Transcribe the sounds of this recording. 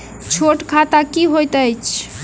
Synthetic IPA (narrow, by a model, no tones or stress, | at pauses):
t͡ʃʰoʈkʰat̪akiɦojt̪əjt͡ʃʰ